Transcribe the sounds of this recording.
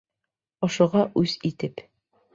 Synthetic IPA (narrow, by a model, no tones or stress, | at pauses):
ŏʃŏʁɑʔʉz̥it̪ɘp